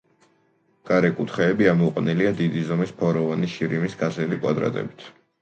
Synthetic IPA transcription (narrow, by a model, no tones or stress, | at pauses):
ɡ̥aɾɛkʼut̪ʰχɛːbiamɔqʼnɛliad̪id̪izɔmispʰɔɾɔvaniʃiɾimisɡazɛlikʼwa̰d̪ɾa̰t̪ʼɛ̰bit̪ʰ